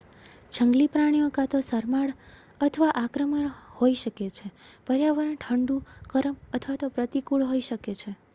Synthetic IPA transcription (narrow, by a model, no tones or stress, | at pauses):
d͡ʒʱəŋɡlipɾaɽ̃ijokat̪osəɾmaɽ | ət̪ʰəʋaʔakɾəmənhoiʃəket͡ʃʰepəɾjaʋəɾəɳʈʰəɳɖukəɾəmət̪ʰʋat̪opɾət̪ikuɭɦoiʃəket͡ʃʰe